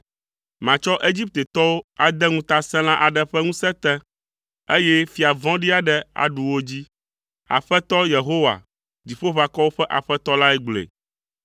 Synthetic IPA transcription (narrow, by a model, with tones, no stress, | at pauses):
mã˨t͡ʃɔ˦ʔe˦d͡ʑi˦p̚t̪e˨t̪ɔ˦wo˦a˨d̪ɛ˦ŋũ˦t̪a˦sɛ̃˦lã˦ʔa˨ɖɛ˦ɸɛ˦ŋũ˦sɛ̃˦t̪ɛ̃˦ | e˦jɛ˦fi˨a˨vɔ̃˦ɖi˦a˨ɖɛ˦a̰˨ɖu˨wo˦d͡ʑi˦ | a̰˨ɸɛ˦t̪ɔ˦je˨ɦo˦wa̰˨ | d͡ʑi˨ɸo˦ɸa˨kɔ˦wo˦ɸɛ˦ʔa˨ɸɛ˦t̪ɔ˦la˦ɛ˦ɡ͡blḛ˨